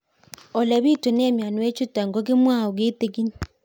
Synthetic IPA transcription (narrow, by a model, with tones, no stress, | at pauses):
ɔ˨lɛ˨βi˦to˨neː˦mja˨nu˨we˦t͡ʃu˦ta˨ŋɡo˦ɣe˦mwa˦˨o˨ɣeː˦te˨ɣi˦ɲi˨